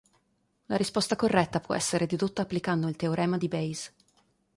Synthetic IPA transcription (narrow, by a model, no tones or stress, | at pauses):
laɾispɔst̪akorːɛt̪ːapwɔ̰ɛsːeɾed̪ed̪ut̪ːaːpːlikand̪oilt̪eoɾʔɛːmad̪ibɛjz